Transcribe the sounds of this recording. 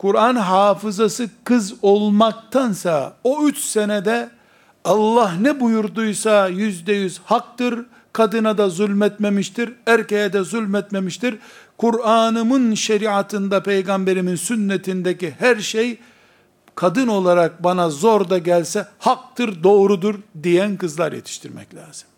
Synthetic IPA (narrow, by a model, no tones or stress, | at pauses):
kʰuɾanɦaːfɯzasɯkʰɯzo̞lˠmak̚t̪ʰansaoyt͡ʃsenɛd̪ɛ | ɑlˠːaɦnɛbujuɾd̪ujsajyzd̪ɛjyzhak̚t̪ɯɾ | kʰad̪ɯnad̪azulʲmɛt̪me̞miʃt̪ʰiɾæɾcejɛd̪ɛzylʲmɛt̪me̞miʃt̪ʰiɾkʰuɾaːnɯmɯnʃeɾiat̪ʰɯnd̪apʰe̞jɡambe̞ɾiminsynːet̪ʰind̪ɛcihæɾʃej | kʰad̪ɯno̞lˠaɾak̚banazo̞ɾd̪aɟælʲsɛhak̚t̪ɯɾd̪o̞ːɾud̪uɾd̪ijænkɯzlˠaɾjḛt̪ʰi̥ʃt̪ʰiɾmɛ̰clʲa̰ːz̥ɯm